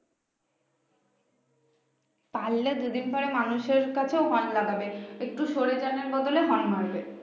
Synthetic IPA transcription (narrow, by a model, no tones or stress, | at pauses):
palːed̪ud̪infɔɾemanuʃeɾkat͡ɕʰeoɦɔnlaɡabeek̚ʈuʃoɾet͡ɕaneɾbɔd̪oleɦɔnmʱaɾbe